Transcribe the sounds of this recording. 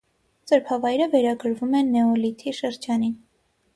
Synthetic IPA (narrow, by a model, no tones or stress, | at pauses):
t͡səɾpʰɑvɑjɾəvɛɾɑɡəɾvumɛnːɛɔlit̪ʰiʃəɾd͡ʒɑnin